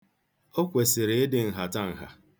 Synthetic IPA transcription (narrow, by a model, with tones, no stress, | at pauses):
o˦kʷe˨sɪ˨ɾe˨e˦dɪ˨n̩˨ɦa˨ta˦˨ŋ̩˨ɦa̰˨